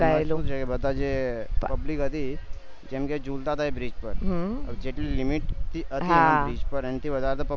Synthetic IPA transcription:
aelod͡ʒekebət̪ad͡ʒeppəblikɦət̪i | d͡ʒẽmked͡ʒult̪at̪aɦebɾiːd͡ʒpəɾɦəd͡ʒeʈilimiʈt̪iʔətɦ̪ãbɾiːd͡ʒpəɾənt̪iʋəd̪aɾt̪apə

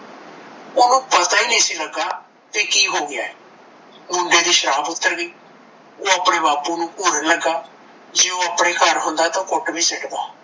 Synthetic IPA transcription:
ʊnũːpət̪aːiːnĩːsiːləɡaː | t̪eːkiːɦoːɡɪaːɛ | mʊɳɖeːd̪iːʃəɾaːpʊt̪ːəɾɡəiː | oːəpɽeːbaːpuːnũːpuːɾənəɡaː | d͡ʒeːõːəpɽeːkəɾɦʊnd̪aːt̪ãːkʊʈbʱiːsəʈd̪aː

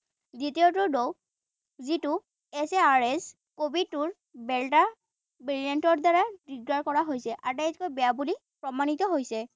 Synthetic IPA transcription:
zitiotʊɹdow | zitʊ | ɛseaɹɛs | kobid̚tʊɹ | bɛlta | bilijɛntɔɹdaɹadiɡɹaɹkɔɹaɦojsɛʔatɛjtkojbɛjabuli | pɹɔmanit̪ɔɦojsɛ

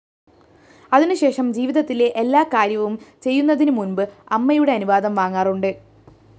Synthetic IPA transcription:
ɐðinɨɕe̞ːʂɐmd͡ʑiːʋiðɐt̪ːile̞ʔelːaːkaːɾjɐʋumt͡ɕe̞jːunːɐðinɨmunbɨɐmːɐjuɽe̞ɐnuʋaːd̪ɐmʋaːŋːaːruɳɖɨ

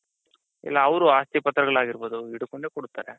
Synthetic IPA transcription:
ḭlːaːʋɾuaːst̪ipɐt̪ɾɐɡɐɭaːɡiɾbo̞ːd̪uiɽukoɳɖekɔɽut̪ːaːɾe

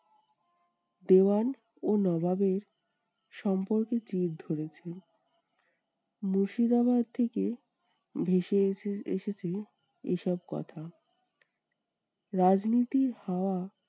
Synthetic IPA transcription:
d̪ean | onɔbabeɾ | ʃɔmpoɾket͡ɕiɾd̪ʱoɾet͡ɕʰe | moʃid̪aβad̪̚t̪ʰeke | bʱeʃeḛʃet͡ɕʰe | ḛʃɔbkɔ̰t̪ʰa | ɾad͡ʑnit̪iɾhaoa

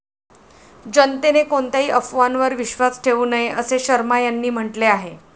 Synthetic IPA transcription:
d͡ʑənt̪enekoɳt̪aɦiːʔəfʋanʋəɾʋiɕʋat͡sʈʰeuːnəɦjeʔəseɕəɾmajanːiːm̤əʈleaɦe

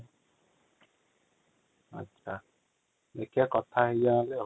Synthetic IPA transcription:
a̰t͡ʃa | nekekɔtʰahɪjale

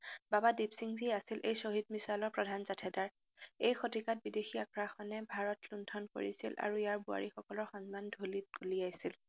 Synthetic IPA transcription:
babadibsiŋziasilʔejsoɦid̚misalɔɹpɹɔdʱanzatʰɛdaɹ | ejxotikat̚bidexiakɹaxɔnɛbʱaɹɔtlundʰʱɔnko̰ɹḭsilʔa̰ɹujaɹbua̰ɹixɔkɔlɔɹxɔ̃nzmandʱolit̚ɡulijajsil

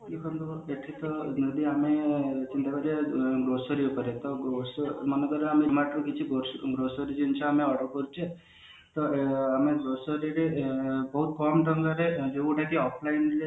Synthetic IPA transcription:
kikʰɔnd̪ueʈʰit̪ɔnod̪iamet͡ʃint̪abaɾeɡɾosɔɾiupɔɾet̪ɔɡɾosmɔnekɔɾeamemaʈɾukit͡ʃʰiɡoɡɾosɔɾid͡ʒent͡ʃʰɔameɔɽɔkɔɾut͡ʃʰe | t̪ɔameɡɾosɔɾiɾebɔɦut̪̚kɔmʈɔŋɡaɾed͡ʒeũʈak̪iɔpʰlajnɾe

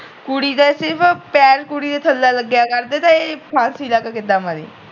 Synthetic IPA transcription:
kuɽiːd̪aːsɪɾpʰpɛːɾkuɽiːd̪eːt̪ʰəlːaːləɡjaːkəɾd̪eːt̪ãeːpʰãːsiːlaːkakɪd̪aːmad̪ḭː

